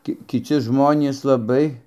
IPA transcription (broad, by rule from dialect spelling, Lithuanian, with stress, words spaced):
ˈkʲɪ kʲɪˈt͡sʲɪ ˈʒmoːnʲiːs lˠɐˈbɐɪ